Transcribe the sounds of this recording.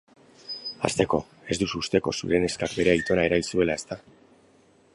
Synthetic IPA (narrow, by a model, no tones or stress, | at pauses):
a̰st̪e̞ko̞ | e̞zd̪usuːst̪e̞ko̞̰sṵɾe̞ne̞skakbe̞ɾe̞ajt̪o̞nae̞ɾailsue̞lae̞st̪a